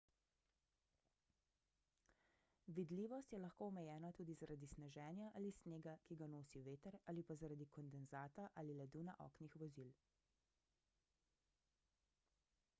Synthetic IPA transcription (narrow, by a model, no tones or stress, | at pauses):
ʋid̪liːʋɔst̪jɛlaxkoːɔmɛjɛːnat̪uːd̪izaɾʔad̪isnɛʒɛːnjaʔalisneːɡakiɡanoːsiʋeːt̪əɾaːlipazaɾad̪ikɔnd̪ɛnzaːt̪aʔalilɛd̪unaʔɔ̰ːknixʋɔziːl